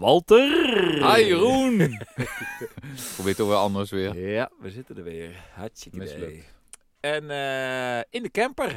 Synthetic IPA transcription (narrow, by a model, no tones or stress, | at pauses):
ʋɔlˠtərhajrun | probɪːtoxʋɛlɑndəsʋɪːɹaʋəzɪtəndəʋɪːɹhamɪslək | ɛnəɪndəkɛmpər